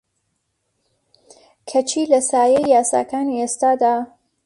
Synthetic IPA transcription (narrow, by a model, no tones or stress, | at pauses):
kʰɐt͡ʃʰiːlɐsaːjɛjːaːsa̰ːkaːniest̪aːd̪aː